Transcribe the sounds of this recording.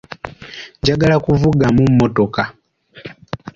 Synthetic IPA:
ɲɟaɡalakuvuɡamumːoto̞ka

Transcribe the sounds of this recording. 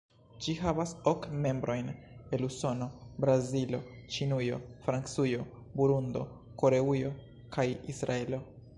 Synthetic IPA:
d͡ʒihavaso̞kme̞mbɾo̞jn | e̞luso̞no̞bɾazilo̞t͡ʃinujo̞̰fɾant͡sujo̞ | buɾundo̞̰ | ko̞ɾe̞ujo̞ | kajisɾae̞lo̞

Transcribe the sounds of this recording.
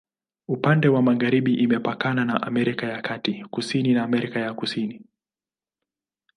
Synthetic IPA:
upandɛwamaɣaɾiɓiʔimɛpakananaʔamɛɾikajakʰatikusininaːmɛɾikajakusini

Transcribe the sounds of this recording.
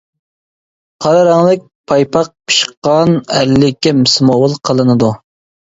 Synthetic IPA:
qʰɑɾɑɾɑŋlˠɨk̚ʲpʰɑjpʰɑq̚pʰɨ̥ʃqɑnælːɪkʲːɛmɨsmowɨlˠqʰəlˠɨnɨd̪u

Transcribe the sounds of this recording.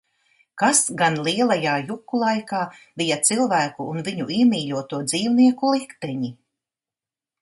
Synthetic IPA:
kasɡanlˠiɛlˠajaːjukːulˠajkaː | bijat̪silˠvæːkuːnviɲuʔiɛmʲiːʎʲuɔt̪uɔd̪ziːwniɛkulˠikt̪ɛɲi

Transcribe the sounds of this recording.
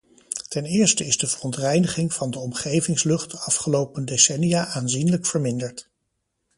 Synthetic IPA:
tɛnɪːɹstəɪzdəvərɔntrɛjnəχɪŋv̥ɑndəɔmχejvɪŋslɵχtɑfχəlowpəndesɛnijaːʔaːnzinələkfəɹmɪndəɹt

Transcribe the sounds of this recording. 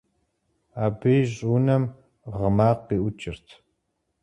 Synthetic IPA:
aːbɨjɕʼuːnɐm | ʁəmaːqiːʔʊt͡ʃʼɪrtʰ

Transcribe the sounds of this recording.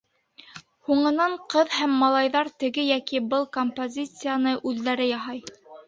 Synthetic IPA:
huɴɤ̆nɑɴqɤðhæmːɑlˠɑjðɑɾt̪ɘ̆ɡɘjækibɤlˠkompozʲit̪sɨjanɤʔʉðːæɾɘjɑɦɑj

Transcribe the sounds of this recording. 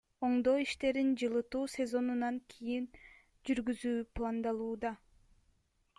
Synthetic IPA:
o̞ɴd̪o̞ːiʃt̪e̞ɾind͡ʒɯlˠɯt̪uːsʲe̞zo̞nunɑŋkʲʰijin | d͡ʒyɾɡyzyːplˠɑnd̪ɑlˠuːd̪ɑ

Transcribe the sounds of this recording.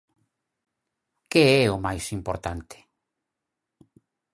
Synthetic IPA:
keɛʊmajsimpoɾt̪ant̪ɪ̥

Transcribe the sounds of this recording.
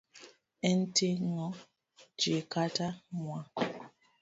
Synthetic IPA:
ɛn̩teŋɔ | d͡ʒekatamwa

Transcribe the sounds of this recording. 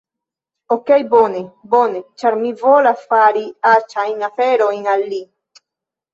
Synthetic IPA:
okejbo̞nebo̞ne̞t͡ʃaɾmivo̞lasfaɾiat͡ʃajnafe̞ɾojnalːi

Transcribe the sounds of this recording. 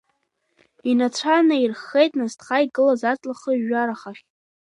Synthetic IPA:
inat͡ɕʷʰanairχːejtʼnastʰχaiɡʼɨlazat͡sʼlaχəʒaɾaχaχʲ

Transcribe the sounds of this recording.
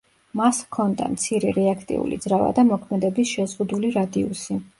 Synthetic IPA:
maskʰɔnd̪a̰mt̪sʰiɾɛɾɛakʰt̪ʼḭṵlḭd̪zɾava̰d̪amɔkʰmɛd̪ɛbisʃɛzʁud̪uliɾad̪iusi

